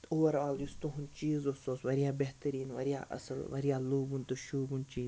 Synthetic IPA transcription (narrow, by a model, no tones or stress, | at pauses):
t̪oʋɐɾaːljust̪uɦunt͡ʃiːzosoːsʋɐɾijaːbeɦt̪ɐɾiːnʋɐ̰ɾija̰ːʔɐ̰sɐlʋɐ̰ɾijaːluːbunt̪uʃuːbunt͡ʃiːz